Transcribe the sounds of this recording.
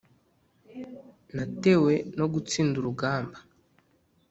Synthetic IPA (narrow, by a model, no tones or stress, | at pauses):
nate̞we̞no̞ɡut͡siːnduɾuɡaːmba